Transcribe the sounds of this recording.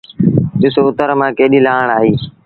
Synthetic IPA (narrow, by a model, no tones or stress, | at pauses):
ɗɪsoʊt̪əɾmãːkeːɗilaːəɳ̃aːɦeː